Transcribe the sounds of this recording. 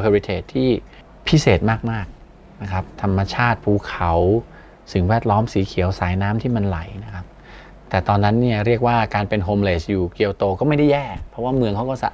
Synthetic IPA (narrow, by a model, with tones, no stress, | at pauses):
kʰo˧i˦t̪ʰeː˨˩t̪ʰːiː˥˩ | pʰi˦˥seː˨˩t̪̚maː˥˩k̚maː˥˩k̚ | na˦˥kʰa˦˥p̚t̪ʰa˧mːa˧t͡ɕʰaː˥˩t̪̚pʰuː˧˩kʰa˩˦w | sɯ˨˩˦ŋwɛː˥˩t̪̚lɔː˦˥msiː˩˦kʰi˨˩˦əwsaː˨˩˦jnaː˦˥mt̪ʰiː˥˩ma˧nla˩˦jna˦˥kʰa˦˥p̚ | t̪ɛː˨˩t̪ɔː˧nːa˦˥nːi˥˩ɐɾi˥˩ək̚waː˥˩kaː˧npe˧nɦoː˧mleː˨˩sjuː˨˩ki˧əwt̪oː˧kɔː˥˩ma˥˩jda˥˩jɛː˥˩pʰɾɔ˦˥waː˥˩mɯ˧əŋkʰa˦˥wkɔː˥˩sa̰˧˩ʔ